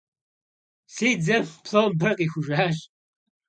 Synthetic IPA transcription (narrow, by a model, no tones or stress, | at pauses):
seːd͡zɐmpʰɬobɐqʼiːxʷʊʒʷaːɕʼ